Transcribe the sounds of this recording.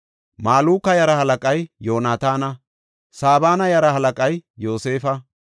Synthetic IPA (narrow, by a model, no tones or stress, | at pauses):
maːluːkːɐjɐɾɐhɐlɐkʼɐjjo̞ːnaːt̪aːnɐ | saːbaːnɐjɐɾɐhɐlɐkʼɐjjo̞ːse̞ːfɐ